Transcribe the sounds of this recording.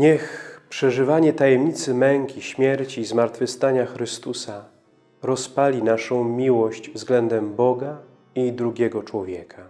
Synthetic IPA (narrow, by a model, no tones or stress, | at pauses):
ɲɛxpʂɛʐɘvaɲɛt̪ajɛmɲit̪sɘmɛŋkʲiɕmʲjɛɾt͡ɕiːzmaɾt̪fɘst̪aɲaxɾɘst̪usa | ɾɔspalʲinaʂɔ̃w̃mʲiwɔɕt͡ɕvzɡlɛnd̪ɛmbɔɡa | id̪ɾuɡʲɛɡɔt͡ʂwɔvʲjɛkʰa